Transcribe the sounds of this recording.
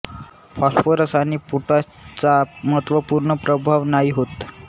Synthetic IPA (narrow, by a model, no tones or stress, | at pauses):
fasfəɾəsaniːpuʈa | t͡saməɦət̪ʋəpuɾɳəpɾəbʱaʋnaɦiɦot̪